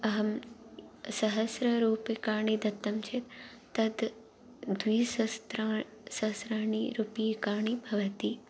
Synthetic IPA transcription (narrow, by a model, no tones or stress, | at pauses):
ɐɦɐm | sɐɦɐsɾɐɾuːpekaːɳid̪ɐt̪ːɐmt͡ʃʰet̪ː | ɐd̪ | d̪wiːsɐst̪ɾa | sɐsɾaːɳiɾupikaːɳibʱɐʋɐt̪i